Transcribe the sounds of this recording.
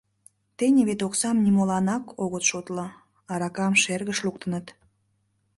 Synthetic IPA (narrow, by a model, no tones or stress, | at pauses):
t̪enʲeβet̪oksɑmnimolɑnɑkʰoɣət̪ʃot̪lə | ɑɾɑkɑmʃerɣəʃluk̚t̪ənət̪